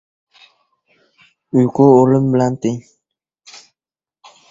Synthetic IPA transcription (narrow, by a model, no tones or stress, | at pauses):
ujkooləmbəlant̪eŋ